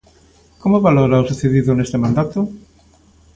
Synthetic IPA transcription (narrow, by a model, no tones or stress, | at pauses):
komoβaloɾaosuθeðiðonest̪emãnd̪at̪o